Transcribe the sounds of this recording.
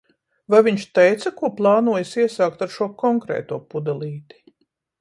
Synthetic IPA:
vajvʲiɲʃt̪ɛjt̪sɐkuɔplˠɑːnuɔjasiɛsaːkt̪aɾʃuɔkɔŋkɾɛ̰ːt̪uɔpud̪alˠiːt̪i̥

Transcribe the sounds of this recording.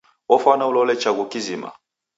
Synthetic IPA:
wɔfanaulɔlɛt͡ʃaɡukizima̰

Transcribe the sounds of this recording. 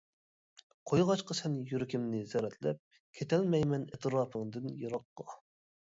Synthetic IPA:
qʰojʁɑt͡ʃqəsɛnjyɾɪkʲimnɪzɛɾɛt̪ʰlɛ̰p̚ | kʲʰet̪ʰɛlmɛjmɛnet̪ʰɨɾɑːpʰɨŋd̪ɨnjɑɾɑqːɑ

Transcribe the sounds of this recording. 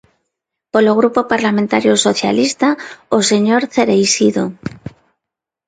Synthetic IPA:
poloɣ̞ɾupopaɾlamẽnt̪aɾjosoθja̰list̪aoseɲoɾθeɾejsiðo

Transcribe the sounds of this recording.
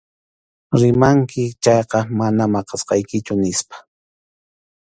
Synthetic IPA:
ɾɪmaŋkɪt͡ʃɑjqɑmanamɑqɑsqɑjkɪt͡ʃʊnɪspḁ

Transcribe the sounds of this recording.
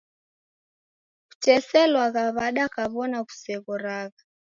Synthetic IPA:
ku̥t͡ʃɛsɛlwaɣaβaɗakaβɔnaku̥sɛɣɔɾaɣa

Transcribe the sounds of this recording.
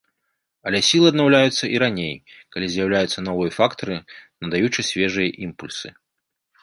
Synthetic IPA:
ɐlʲɛsʲilˠɨɐd̪nawlʲajut̪sːɐʔiɾanʲejkalʲizʲjɐwlʲajut̪sːɐnɔvɨjɐfakt̪ɐɾɨnɐd̪ajut͡ʂɐsʲvʲɛʐɨjɐʔimpulʲsɨ

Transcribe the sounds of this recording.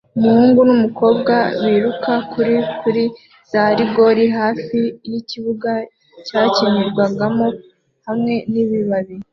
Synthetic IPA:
umuhuːŋɡunumuko̞ːbɡaβiːɾukakuɾikuɾi | z̥aɾiɡo̞ɾiɦaːfijiciβuɡa | caːciɲiɾɡwaɡamo | hamŋe̞niβiβaβi

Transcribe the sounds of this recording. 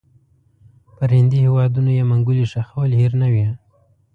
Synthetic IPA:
pəɾhɪnd̪ihɪwɑd̪unojemaŋɡuliʂaxawlhiɾnawi

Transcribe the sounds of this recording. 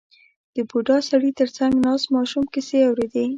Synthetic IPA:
d̪̥əbuɖɑsaɽit̪əɾt͡saŋɡnɑsmɑʃumkɪseawɾed̪e

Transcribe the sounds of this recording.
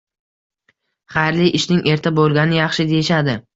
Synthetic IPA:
χɑjɾlɪjʔɪʃnɪŋʔe̞ɾt̪ʰabolˠɡʲanɪjɑχʃɪd̪e̞jɪʃad̪ɪ

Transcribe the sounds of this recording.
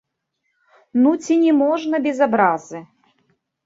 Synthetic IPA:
nut͡sʲinʲɛmɔʐnɐbʲɛzabɾazɨ

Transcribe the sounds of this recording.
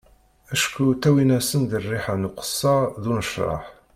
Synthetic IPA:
æʃkut̪ːæwinæsənðərːiħanuqə̥sˤːɑðunəʃɾˤɑ̰ħ

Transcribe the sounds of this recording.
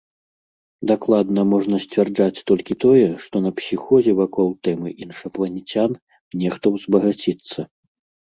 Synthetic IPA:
d̪aklˠad̪nɐmɔʐnɐsʲt͡sʲvʲard͡ʐat͡sʲt̪ɔlʲkʲit̪ɔjɛʂt̪ɔnɐpsʲixɔzʲɛvakɔlˠt̪ɛmɨʔinʂɐplˠɐnʲit͡sʲan | nʲɛxt̪ɔwzbɐɣat͡sʲit̪sːɐ

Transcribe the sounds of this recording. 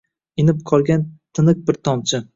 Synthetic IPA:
ɪnɪp̚qʰɒlˠɡʲant̪ʰɪnɨq̚bɪɾt̪ʰɒmt͡ʃʰɪ

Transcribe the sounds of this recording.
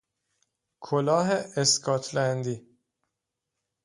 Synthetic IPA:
kʰolɒːɦeeskʰɒːt̪ʰlænd̪iː

